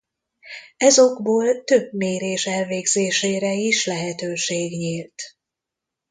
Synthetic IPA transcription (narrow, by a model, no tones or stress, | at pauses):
ɛzo̞ɡboːlt̪ø̞bmeːɾeːʃɛlveːɡzeːʃeːɾɛiʃlɛɦɛt̪øːʃeːɡɲiːlt̪